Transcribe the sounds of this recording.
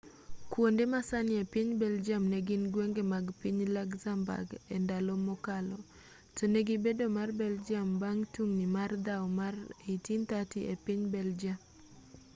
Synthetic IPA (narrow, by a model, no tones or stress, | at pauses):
kwondemasanɪepiɲbɛld͡ʒamnɛɡɪnɡweŋɡemaɡpiɲlaɡzamba̰ɡɛndalomɔkalɔ | toneɡibedomarbɛld͡ʒambaŋtuŋnimard̪awmarejtint̪atiepiɲbɛld͡ʒam